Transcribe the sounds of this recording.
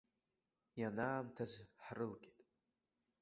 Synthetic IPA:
janaːmtʰazħrɨlɡʲʼitʼ

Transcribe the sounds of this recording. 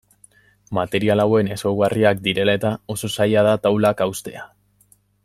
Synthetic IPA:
mat̪e̞ɾialawe̞ne̞sowɣariak̚d̪iɾe̞lae̞t̪ao̞so̞sajað̞at̪awlakawst̪e̞a

